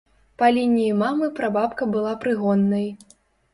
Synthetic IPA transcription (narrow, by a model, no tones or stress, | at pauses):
pɐlʲinʲijimamɨpɾɐbapkɐbɨlˠapɾɨɣɔnːɐj